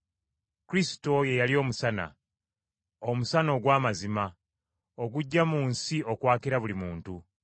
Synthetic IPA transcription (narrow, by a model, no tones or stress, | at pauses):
kuɾisi̥to̞je̞jalio̞ːmusana̰ | omusano̞ːɡwaːmazima | oɡuɟːamuːnsio̞kwaːkiɾaβulimuːntu